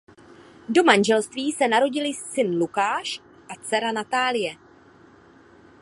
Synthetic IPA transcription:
do̞manʒɛlst̪viːsɛnaɾo̞ɟɪlɪsɪnlukaːʃ | ʔat͡sɛɾanat̪aːlɪjɛ

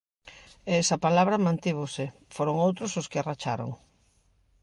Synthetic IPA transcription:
ɛɛsɐpalaβɾɐmãnt̪iβ̞osɪfoɾoŋowt̪ɾʊsʊskɪarat͡ʃaɾo̰ŋ

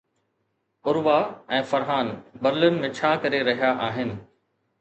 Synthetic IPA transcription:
ʊɾʋaɛ̃ːfɐɾɦaːnbɐɾɪlɪnɪ̆mẽt͡ɕʰaːkɐɾeɾɐɦijaʔaːɦɪnɪ̆

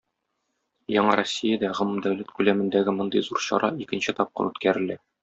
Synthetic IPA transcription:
jɒɴɑɾosʲːijad̪æʁɤ̆mɤmd̪æwlæt̪kʉlæmɘ̆nd̪æɡɘmŏnd̪ɤ̰jzuɾɕɒ̰ɾʔɑikɘ̆nɕɘt̪ɒp̚qɤ̰nʉt̪kæɾɘ̆læ

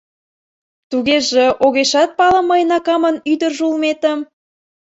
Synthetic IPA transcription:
t̪uɣeʒeʔoɣeʃɑt̪̚pɑlə̆mːəjnɑkɑmənyd̪ərʒulmet̪əm

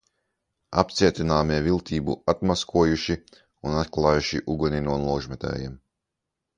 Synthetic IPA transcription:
a̰p̚t̪siɛt̪ʲinaːmiɛvilˠt̪ʰiːbṵat̪maskʰuɔjuʃi | unat̪̚klˠaːjuʃiʔuɡuninuɔnlˠɔːʒmɛt̪ɛ̰ːjiɛm

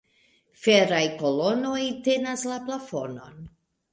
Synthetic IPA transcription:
feɾajko̞lo̞no̞jte̞naslaplafo̞no̞̰n

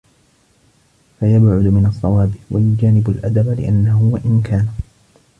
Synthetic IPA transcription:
fajabʕʊd̪mɪnɑsˤːɑwɑːbɪwʔajʊd͡ʒaːnɪbʊlʔad̪ablɪ̰ʔanːahʊwaʔɪnkʰaːna

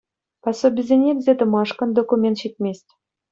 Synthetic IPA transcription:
pɑsobʲɪzʲenʲeɡʲzʲet̪ɤ̆mɑʂkɤ̆nd̪okumʲent̪ɕit̪ʲmʲesʲtʲ

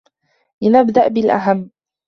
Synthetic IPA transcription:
lɪnabd̪aʔbɪlʔa̰ɦamː

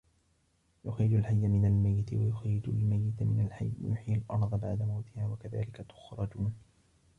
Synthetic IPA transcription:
jʊxiːd͡ʒalħajːamɪnalmajːɪt̪wajʊxiːd͡ʒʊlmajːɪt̪mɪnalħaj̰jʊħiːalʔɑɾˤðˤɑbaʕd̪amawt̪ɪhaːwakaða̰ːlɪkat̪ʊ̥xɾˤɑd͡ʒuːn

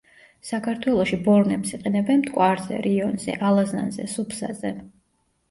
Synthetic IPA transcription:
sakʰaɾt̪ʰwɛlˠɔʃibɔɾnɛpsiqʼɛnɛbɛnmt̪ʼkʼwaɾzɛ̰ɾiɔnzɛ̰ʔalˠaza̰nzɛ̰supʰsa̰zɛ

